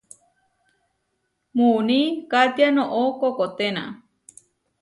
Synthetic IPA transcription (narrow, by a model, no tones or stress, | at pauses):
munĩkat̪janõʔokokot̪enã̰